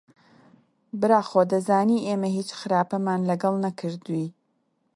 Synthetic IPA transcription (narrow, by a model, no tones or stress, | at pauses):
bɨɾaːxoːd̪ɐzaːniːʔeːmɐhiːt͡ʃxɨɾaːpɐmaːnlɐɡɐlˠnɐkʰɨɾd̪uwi